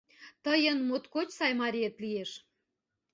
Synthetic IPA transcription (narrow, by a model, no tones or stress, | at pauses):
t̪əjənmot̪kot͡ɕsɑjmɑɾʲiet̪lieʃ